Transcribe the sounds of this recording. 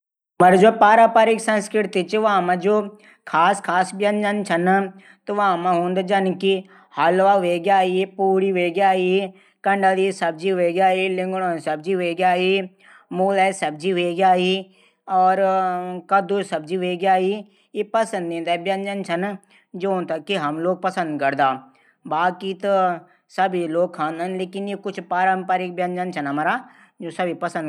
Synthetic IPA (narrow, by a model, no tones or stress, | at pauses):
mɐɾd͡ʒopaːɾapaːɾɪksɐ̃nskɾɪʈt̪it͡ʃʋamãd͡ʒoː | kʰaːskʰaːsbjɐnd͡ʒənt͡ʃʰɐn | t̪oʋaamãɦũːnd̪d͡ʒɐnki | haːlʋaʋeːɡjaːiipuːɾiʋeːɡjaːi | kɐɳɖəlisɐb̚d͡ʒiʋeːɡjaːilɪŋɡɽ̃õːsɐb̚d͡ʒiʋeːɡjaːi | muːlɛsɐb̚d͡ʒiʋeːɡjaːi | ɔːɾkɐd̪osɐb̚d͡ʒiʋeːɡjaːi | jepɐsə̃nd̪nẽːnd̪aːbjɐnd͡ʒənt͡ʃʰɐn | d͡ʒõːnt̪ɐkːiɦɐmloːɡ̚pɐsə̃nd̪kɐɾd̪aː | baːkit̪ | sɐbʱiloːɡ̚kʰãːnd̪ənleːkɪnjekʊt͡ʃʰpaːɾəmpaɾɪk̚bjɐ̃nd͡ʒənt͡ʃʰɐnɦɐmaːɾa | d͡ʒoːsɐbʱipɐsə̃nd̪